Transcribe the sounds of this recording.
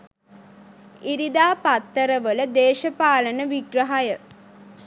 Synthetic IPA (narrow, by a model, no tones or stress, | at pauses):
iɾid̪aːpat̪ːəɾəʋələd̪eːʃəpaːlənəʋiɡrəɦajə